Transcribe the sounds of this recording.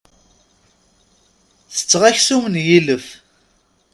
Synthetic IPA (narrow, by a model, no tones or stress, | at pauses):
θə̥t͡sːʁæçsumənjiləf